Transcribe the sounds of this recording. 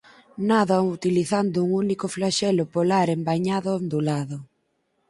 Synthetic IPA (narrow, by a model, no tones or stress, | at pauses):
naðaut̪iliθand̪ʊuŋunikʊflaʃɛlʊpolaɾembaɲaðʊnd̪ulaðʊ